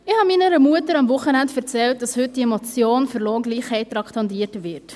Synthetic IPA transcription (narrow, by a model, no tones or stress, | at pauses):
ɪhɑminəɾəmuətəɾɑmvʊχənæntfɛɾt͡sɛlt̚d̥ɑshʏt̚d̥iɛmɔt͡sjoːnfʏɾloːɡliːχhɛɪt̚tːɾɑkt̪ʰɑndiːəɾtvɪɾt